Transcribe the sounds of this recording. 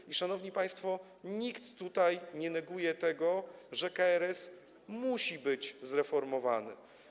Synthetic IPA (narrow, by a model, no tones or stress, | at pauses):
iʂanɔvɲipaj̃st̪fɔ | ɲikt̪ːut̪ajɲɛnɛɡujɛt̪ɛɡɔʐɛkaɛɾɛs | muɕibɘd͡ʑzɾɛfɔɾmɔva̰nɘ̰